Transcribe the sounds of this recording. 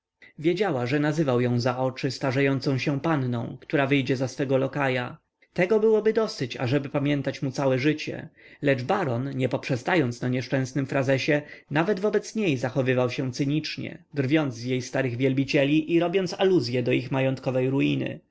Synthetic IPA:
vʲjed͡ʑawaʐɛnazɘvawjɔ̃w̃zaɔt͡ʂɘst̪aʐajɔnt̪sɔ̃w̃ɕɛpanːɔ̰̃w̃kt̪uɾavɘjd͡ʑɛzasfɛɡɔlɔkaja | t̪ɛɡɔbɘwɔbɘd̪ɔsɘt͡ɕa̰ʐɛbɘpamʲjɛnt̪at͡ɕmut̪sawɛʐɘt͡ɕɛ̰lɛd͡ʐbaɾɔnɲɛpɔpʂɛst̪ajɔnt̪snaɲɛʂt͡ʂɛ̃w̃snɘmfɾazɛɕɛnavɛd̪vɔbɛt̪sɲejzaxɔvɘvawɕɛ̃t̪sɘɲit͡ʂɲɛ̰d̪rvʲjɔnd̪zvjejst̪aɾɘɣvʲjɛlbʲit͡ɕɛlʲiʔiɾɔbʲjɔnt̪saluzʲjɛd̪ɔixmajɔnt̪kɔvɛjɾuinɘ̰

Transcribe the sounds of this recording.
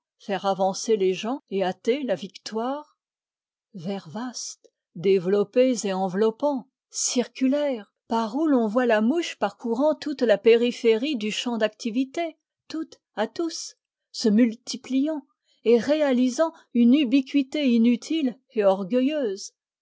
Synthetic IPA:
fɛʁavɑ̃seleʒɑ̃eat̪elavikt̪waːʁ | vɛʁvast̪ | d̪evlɔpezeɑ̃vlɔpɑ̃ | siʁkʲylɛʁ | paʁulɔ̃vwalamuʃpaʁkuʁɑ̃t̪ut̪lapeʁifeʁid̪yʃɑ̃d̪akt̪ivit̪e | t̪ut̪ | at̪us | səmylt̪iplijɑ̃ | eʁealizɑ̃ | ynybikʲɥit̪einyt̪ʰil | eɔʁɡʲœjøːz

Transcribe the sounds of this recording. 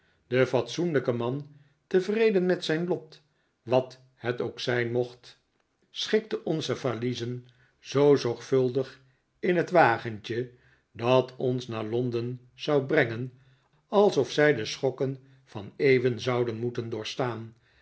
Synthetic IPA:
d̥əfɑtsunləkəmɑn | təvrejdənmɛtsɛjnlɔt | ʋɑt | hɛtowksɛjnmɔχt | sχɪk̚təʔɔnzəvalizən | z̥owzɔɹχfɵlˠdəχ | ɪnɦətʋaːχənt͡ʃə | dɑtʰɔnsnaːɹlɔndən | z̥ɑwbrɛŋən | ɑlˠsɔfsɛjdəsχɔkən | v̥ɑnejvənzɑwdənmutəndʊːɹstaːn

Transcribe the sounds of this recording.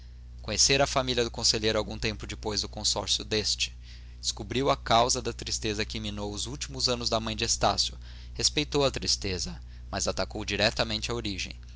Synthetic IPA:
kõɲeseɾɐfamiliɐd̪ʊkõseʎejɾʊawɡũt̪ẽmpʊd͡ʒɪpojzd̪ʊkõsɔ̰ɾsjʊd̪est͡ʃɪ̥ | d̪d͡ʒ̥ɪskubɾiwɐkawzɐd̪ɐt̪ɾist̪ezɐkɪiminowʊzuwt͡ʃimʊzɐ̃nʊzd̪ɐmɐ̃j̃d͡ʒɪest̪a̰sjʊ | hespejt̪owɐt̪ɾist̪ezɐ | mɐzat̪akowd͡ʒiɾɛt̪ɐmẽnt͡ʃɪɐoɾiʒḛ̃j̃

